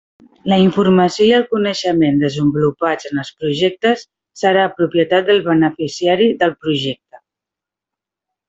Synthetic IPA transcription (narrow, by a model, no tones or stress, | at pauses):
ləiɱfurməsioiəlˠkunəʃəmend̪əzəmbulupad͡zənəlˠspɾuʒɛk̚t̪əsː | əɾaːpɾupjət̪at̪̚d̪əlˠβənəfisiaɾiðəlˠpɾuʒɛk̚t̪ə